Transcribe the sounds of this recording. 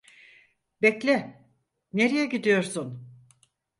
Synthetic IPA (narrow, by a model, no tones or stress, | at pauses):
bɛclʲɛ | neɾejɛɟid̪ijo̞ɾsun